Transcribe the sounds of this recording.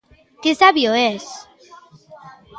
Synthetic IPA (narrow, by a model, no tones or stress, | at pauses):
kesaβjoes